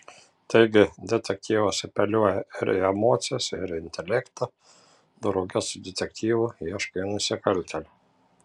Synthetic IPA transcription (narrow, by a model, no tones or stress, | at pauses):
t̪ɐɪɡʲɪd̪ʲɛt̪ʲɛk̚t̪ʲiːʋosʲɛpʲɛlʲuɔjɛɪɾɪɛmoːt̪sʲɪjɛsɪɾɪnʲt̪ʲɛlʲɛkt̪ɐ | d̪ʊɾɐɡʲɛsd̪ʲɛt̪ʲɛkt̪ʲiːʋuiɛʃkɐnʊsʲɪkɐlʲt̪ʲɛlʲʊ